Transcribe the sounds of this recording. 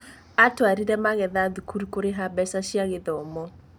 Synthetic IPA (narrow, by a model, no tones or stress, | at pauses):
atwaɾiɾɛmaɣɛðaðukʰuɾukoɾeɦabɛsaʃiaɣeðɔmɔ